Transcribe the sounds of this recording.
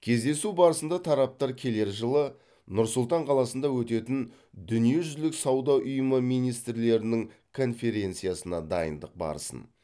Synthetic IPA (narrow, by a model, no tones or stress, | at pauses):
kʲʰe̞zd̪e̞subɑɾəsənd̪ɑt̪ʰɑɾɑp̚t̪ɑɾkʲʰe̞le̞ɾʒəlˠə | nʊɾsʊlˠt̪ɑɴqʰɑlˠɑsənd̪ɑwɵt̪e̞t̪ɪn | d̪ʏnije̞ʒʏzlɪksɑwd̪ɑʔʊjəməmijnijst̪ɾle̞ɾɪnɪŋkʰo̞nfe̞ɾʲe̞nt̪sɨijɑsənɑd̪ɑ̰jə̰nd̪əq̚bɑ̰ɾəsə̰n